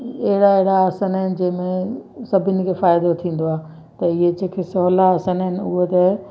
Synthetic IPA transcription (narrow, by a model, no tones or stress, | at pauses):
ɐɦɪɽaeɦɪɽaːsənaːɪnɪ̆d͡ʑɐ̃ːɪ̃mẽsɐbʱɪnɪ̆kʰeːfaːjd̪ot̪ʰĩːn̆d̪oaː | t̪ɐɪɦed͡ʑeːkʰesɔːlaːsanaɦɪnɪ̆ʊɦot̪ɐ